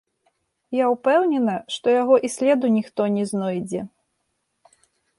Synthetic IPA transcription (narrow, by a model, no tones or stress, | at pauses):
jawpɛwnʲɛnɐʂt̪ɔjaɣɔʔisʲlʲɛd̪unʲixt̪ɔnʲɛznɔjd͡zʲɛ